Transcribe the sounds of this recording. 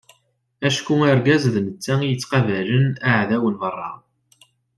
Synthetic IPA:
æʃkumæɾɡæzðnət͡sːæijət͡sːqɑvælənaʕðæwənmərˤːɑ̰

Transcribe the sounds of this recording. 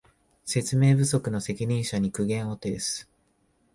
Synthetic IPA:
se̞t͡sɨme̞ːbɯ̟so̞kɯ̟no̞se̞kʲiɲ̟ĩɰ̃ɕaɲ̟ikɯ̟ɡẽ̞ɰ̃o̞t̪e̞ːsɨ̥

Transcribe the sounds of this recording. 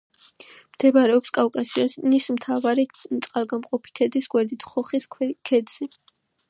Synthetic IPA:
md̪̥ɛvɾɛɔpskʼafkʼasianismt̪ʰavaɾit̪sʼqʼalˠɡamqʼɔpʰi̥t̪ʰɛd̪isɡwɛɾd̪it̪ʰχɔχiskʰɛd̪z̥i

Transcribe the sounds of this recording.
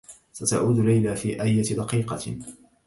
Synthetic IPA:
sat̪a̰ʕuːd̪ʊlajlaːfiːʔajːat̪d̪ɑqiːqɑ

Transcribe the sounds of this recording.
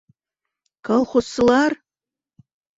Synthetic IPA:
kʰɐlˠχʷʊsɨlˠɑr

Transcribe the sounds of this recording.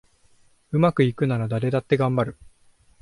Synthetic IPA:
ɯ̟makɯ̟ikɯ̟naɾad̪aɾe̞d̪at̪ːe̞ɡãmbaɾɯ̟

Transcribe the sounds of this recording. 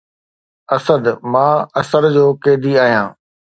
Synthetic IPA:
ɐsəd̪mãːɐsəɾd͡ʑoːkeːd̪iaːɦijãː

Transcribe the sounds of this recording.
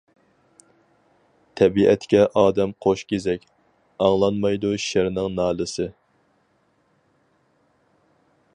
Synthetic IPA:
t̪ʰɛbiʔɛt̪kʲɛʔɑːd̪ɛmqʰoʃkʲezɛkʲ | ɑŋlˠɑnmɑjd̪uʃɪɾnɪŋnɑːlɨsɨ

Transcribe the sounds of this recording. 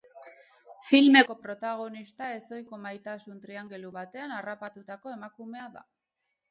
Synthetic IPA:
filme̞ko̞pɾo̞t̪aɣ̞o̞nist̪ae̞so̞jko̞majt̪asunt̪ɾiaŋɡe̞luβat̪e̞anarapat̪ut̪ako̞e̞makume̞aða̰

